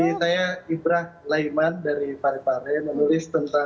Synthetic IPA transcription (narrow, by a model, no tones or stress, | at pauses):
isajaibɾahlajmandaɾipaɾɛpaɾɛmənulɪst̪ənt̪a